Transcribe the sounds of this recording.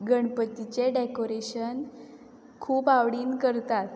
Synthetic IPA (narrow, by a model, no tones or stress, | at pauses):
ɡəɳpət̪it͡ɕeɖekoɾeɕən | kʰuːpaʋɽiːnkəɾt̪at̪